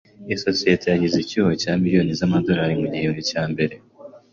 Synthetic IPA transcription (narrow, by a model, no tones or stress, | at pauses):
iso̞sijetejaɟizicuhocaːmiɾio̞ːnizamado̞ɾaɾimuɟijonicaːmbe̞ɾe̞